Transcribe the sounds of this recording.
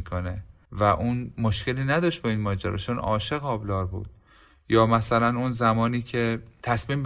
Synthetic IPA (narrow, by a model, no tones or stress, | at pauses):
kʰone | væʔunmoʃce̞liːnæd̪ɒːʃt̪̚bɒinmɒːd͡ʒæɾʔɒ̰ːt͡ʃʰonɒ̰ːʃeɣɒːblɒːɾbṵːd̪̥̚ | jɒːmæsælænunzæmɒːniːcʰet̪ʰæsmiːmb